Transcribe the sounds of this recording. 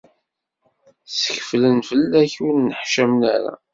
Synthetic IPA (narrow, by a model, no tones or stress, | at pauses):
sə̥çflənfəlːæçunːəħʃæmnæ̰ɾæ̰